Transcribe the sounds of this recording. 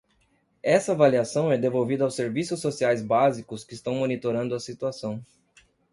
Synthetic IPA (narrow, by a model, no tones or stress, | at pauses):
ɛsɐavaliasɐ̃w̃ɛd̪evowvid̪ɐawseɾvisʊsːosiajzbazikʊskɪːst̪ɐ̃w̃monit̪oɾɐ̃nd̪ʊɐsit̪uasɐ̃w̃